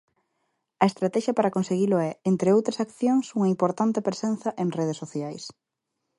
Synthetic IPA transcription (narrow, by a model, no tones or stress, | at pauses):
ɐest̪ɾat̪ɛʃɐpaɾɐkõnseɣilʊɛent̪ɾeowt̪ɾɐsakθjoŋsuŋɐimpoɾt̪ant̪ɪpɾesen̟θɐʔẽŋreð̞esːoθjajs